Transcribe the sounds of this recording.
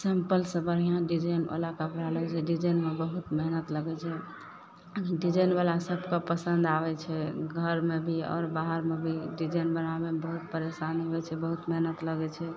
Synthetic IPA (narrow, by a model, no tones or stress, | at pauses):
sempəlsə̃bəɾiãɖid͡ʒəjno̰lakəpɾalɛd͡ʒɛɖid͡ʒənmebəɦut̪meɦnət̪ləɡɛt͡ʃʰɛ | ɖid͡ʒənbalasəbʱkapəsə̃nd̪abɛt͡ʃʰɛɡʱəɾmebʱiɔ̰ːɾbaɦəɾmebʱiɖid͡ʒənbənabebəɦut̪̚pəɾesanɦoɛt͡ʃʰɛbəɦut̪meɦnət̪ləɡɛt͡ʃʰɛ